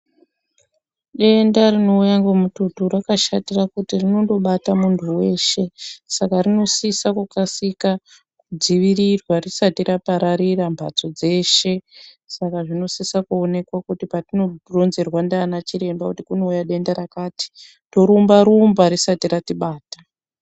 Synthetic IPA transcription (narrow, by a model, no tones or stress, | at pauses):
ɗe̞ndarino̞ujaŋɡomututurakaʃatirakutirino̞ndo̞ɓatamuntʰuwe̞ːʃe̞sakarino̞sisakukasika | kud͡ziʋirirwarisatiɾapaɾaɾirambʱa̰t͡so̞d͡ze̞ʃe̞ | sakaʐino̞sisakuonekwakutipatino̞ro̞nze̞rwandaːnat͡ʃiɾe̞mbakutikuno̞ujaɗe̞ndaɾakaːti̥ | to̞ɾumbaɾumbaɾisatiɾatiɓaːtḁ